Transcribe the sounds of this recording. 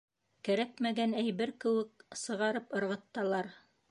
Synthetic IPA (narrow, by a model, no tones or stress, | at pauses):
kæɾækmæɡænæjβɘɾkɘ̆wɘk̚sɤ̆ʁɑɾɤpɤ̆ɾʁɤ̆t̪ːɑlˠɑɾ